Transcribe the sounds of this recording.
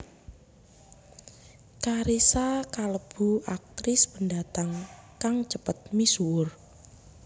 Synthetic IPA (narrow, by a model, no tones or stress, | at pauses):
kaɾisakaləb̥uak̚t̪ɾɪspəndat̪aŋkaŋt͡ʃəpət̪̚misuwʊr